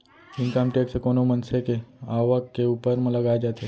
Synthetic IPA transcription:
ɪnkəmʈeːʈsekoːnomənsekeaːʋəkːeuːpəɾmɐ̃ləɡaːed͡ʒaːt̪e

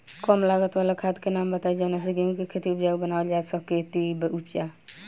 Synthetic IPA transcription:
kɔmlaɡət̪walakʰat̪kenambət̪ad͡ʒanas̬eɡemikekʰet̪iupd͡ʒaubənaɔld͡ʒasəkːet̪ibupd͡ʒa

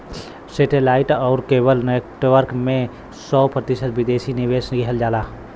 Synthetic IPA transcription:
seːʈeːlaːɪʈɔːɾkeːbəlnekʈʋəɾkmẽ | sɔːpɾət̪ɪʃət̪ʋɪd̪eːsinɪʋeːsnɡiɦəld͡ʒaːlaː

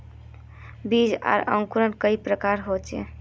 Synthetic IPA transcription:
bid͡ʒa̰ɾə̰̃ŋkuɾənkəipɾəkaɾɦot͡ʃḛ

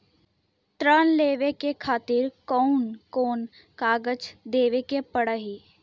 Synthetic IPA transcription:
t̪ɾaːnleːʋekekʰaːt̪ɪɾkɔːʊnkoːn | kaːɡəd͡ʒd̪eːʋekepəɽəɦi

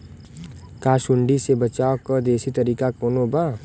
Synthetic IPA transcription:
kaːʃʊɳɖisebɐt͡ʃaːokəd̪eːsit̪ɐɾiːkakoːnobaː

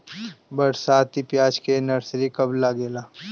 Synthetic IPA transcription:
bɐɾsaːt̪ipjaːd͡ʒkenɐɾsɾikɐblaːɡeːlaː

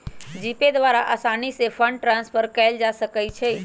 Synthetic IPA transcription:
d͡ʒiped̪ʋaɾaʔasañisefʰəɳɖʈɾãnspəɾkəjld͡ʒaʃəkajt͡ʃʰe

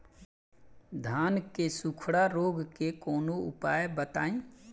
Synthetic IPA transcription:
d̪ʱankesukʰɽaɾoːɡkekoːnoṵpajbət̪aːĩ

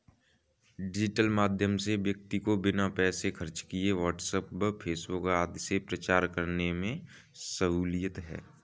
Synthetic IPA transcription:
ɖɪd͡ʒɪʈəlmaːd̪ʱjəmseʋjək̚t̪ikobɪnapɛːsekʰəɾt͡ʃkieʋaːʈsəpbəpʰeːsbʊkaːd̪sepɾət͡ʃaːɾkəɾnemẽ | səɦuːlijət̪ɦɛ̰ː

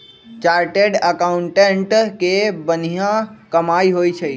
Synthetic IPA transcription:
t͡ʃaɾʈeɖəkaʊɳʈeɳʈkebənijãkəmaiɦojt͡ʃʰə

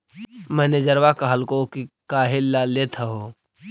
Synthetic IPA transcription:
mɛ̃ːned͡ʒəɾwakaɦəlkokikaːɦɪllːaːlet̪ʰaɦoː

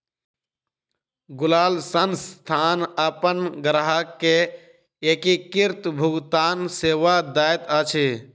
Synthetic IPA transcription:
ɡʊlaːlsənst̪ʰaːnəpənɡɾaɦakːe | ekikiɾt̪bʱʊɡt̪aːnseːʋad̪aːjt̪ət͡ʃʰi

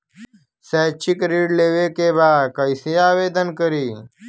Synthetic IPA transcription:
sɛːt͡ɕʰikɾiːɖleːʋekebaːd̪kəjsijaːʋeːd̪ənkəɾiː

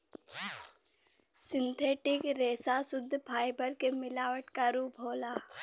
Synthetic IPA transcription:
sɪ̃nt̪ʰeːʈɪkɾeːsasʊd̪ʱːpʰaːɪbəɾkemɪlaːʋəʈkaɾuːpoːlaː

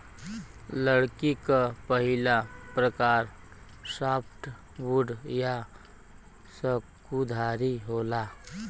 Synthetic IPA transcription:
ləɽkikapəɦɪlapɾəkaːɾ | saːpʰʈ | buɖja | səkud̪ʱaːɾiɦoːlaː

